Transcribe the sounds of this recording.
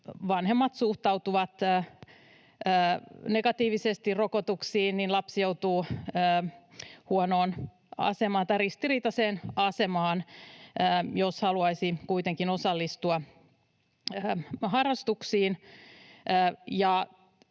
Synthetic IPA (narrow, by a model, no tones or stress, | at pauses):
ʋɑnhe̞mːɑt̪suht̪ɑut̪uʋɑt̪ː | ne̞ɡɑt̪iːʋisest̪iro̞kot̪uksiːnninlɑpsjo̞ut̪uːəːhuono̞ːn | ɑ̰se̞mɑːnt̪ɑjrist̪iriːt̪ɑseːnɑse̞mɑːnəːjoshɑluɑisikujt̪eŋkino̞sɑlːist̪uɑ | əːhɑrːɑst̪uksiːn | əːjɑ